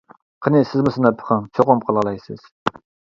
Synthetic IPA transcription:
qʰənɪsɪzmʊsɨnɑpʰːə̥χʰɑŋt͡ʃʰoqʊmqʰəlˠʁəlˠɑjsɪz̥

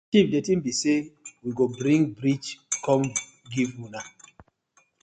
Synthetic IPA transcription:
t͡ʃifdɛtĩmbisewiɡobɾĩŋɡbɾit͡ʃkɔm | ɡivwuna

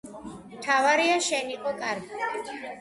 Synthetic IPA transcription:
mt̪ʰavaɾiaʃɛniqʼɔkʼaɾɡi

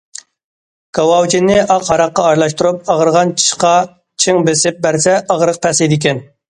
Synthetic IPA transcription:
kʰɑwɑwt͡ʃʰinːɪʔɑqhɑɾɑqːɑɑɾlˠɑʃt̪uɾup̚ɑʁəɾʁɑnt͡ʃʰi̥ʃqɑ | t͡ʃʰiŋbesɪp̚bæɾsɛɑʁɾəqp̪ʰɛsid̪ɪkʲɛn

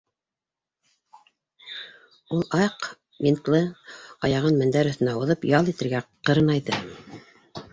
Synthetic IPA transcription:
ulˠɑjq | mʲint̪lˠɤɑjɑʁɤnmɘ̆nd̪æɾɵ̆θɘ̆næuðɤpjɑlˠit̪ɘ̆ɾɡæqɤ̆ɾɤnɑjðɤ

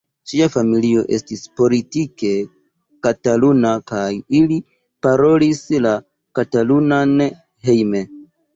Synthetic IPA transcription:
d͡ʒiafamilio̞̰ʔe̞̰stispo̞litike̞ | katalunakajili | paɾo̞lisla | katalunan | he̞jme̞

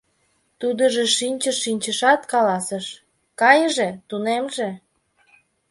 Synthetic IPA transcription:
t̪ud̪əʒeʃinʲt͡ɕəʃːinʲt͡ɕəʃɑt̪kɑlɑsəʃ | kɑjəʒet̪unemʒe

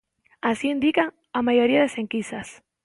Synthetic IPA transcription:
asiind̪ikaŋ | amajoɾiaðeseŋkisas

